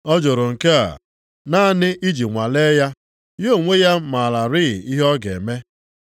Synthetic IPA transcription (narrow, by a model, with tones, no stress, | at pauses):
ɔ˦d͡ʒo˨ɾʊ˨ŋ̩˨ke˦a̰˨ | na˦nɪ˦ʔi˦d͡ʒi˨ŋʷa˨le˦ja˦ | jo˦˨ŋʷe˦ja˦ma˨la˨ɾɪ˦ɣ̰i˦ɦɔ˦ɡḛ˨me˦